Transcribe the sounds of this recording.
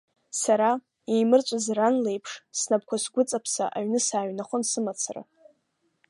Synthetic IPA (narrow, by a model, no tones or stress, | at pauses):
saɾa | ejmɨrt͡ʃʷʼazranle̞jpʰʂsnap̚ʰkʷʰasɡʷʊt͡sʼapʰsa̰ʔaɥnɨsaːɥnaχʷʊnsɨmat͡sʰara̰